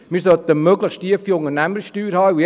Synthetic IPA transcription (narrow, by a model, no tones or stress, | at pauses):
mɪːɾsœt̪əmøɡləχttiəfioŋənæməɾsʃtyːɾhɑːu